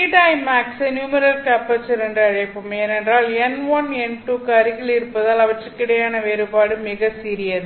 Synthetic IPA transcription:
iʈaɪmaːksɛnjuːmɐɾɐlkɐpːɐt͡ʃːɐɾɛndɯɐɻɐjɐpːɯmenɛndraːlɛnʋɐnɛnʈuːkɐɾɪɣɪɭɪɾɯpːɐðaːlɐʋɐʈrɯkːɪɽɐjaːnɐʋeːɾɯbaːɽɯmɪɣɐsiːɾɪjɐðɯ

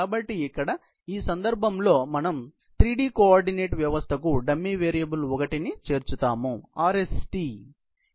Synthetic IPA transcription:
aːbɐʈːiikːɐɽɐ | iːsɐnd̪ɐɾbʱɐmlo̞ːmɐnɐm | t̪ɾiːɖiːkoaːɾɖine̞ːʈʋjɐʋɐst̪ʰɐk̬uɖɐmːiʋeːɾijɐbulɔkɐʈinit͡ʃe̞ːɾt͡ʃut̪aːmuaːɾesʈi

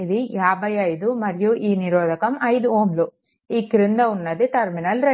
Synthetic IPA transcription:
id̪ijaːbʱɐjɐjd̪umɐɾijuʔiːniɾoːd̪ʱɐkɐmɐjd̪uoːmlu | iːkiɾind̪ɐunːɐd̪it̪ɐɾminɐlɾɐ

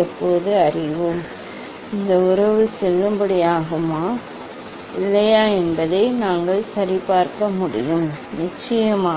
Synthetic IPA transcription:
ɛpːoːðɯɐrɪʋɯm | ɪnd̪ɐʊɾɐʋɯsɛlːɯmbɐɽɪjaːɣɯmaː | ɪlːɐjaːɛnbɐðɐɪnaːŋɡɐɭsɐɾɪpaːɾkɐmʊɽɪ̰jɯmnɪt͡ʃːɐjɐmaː

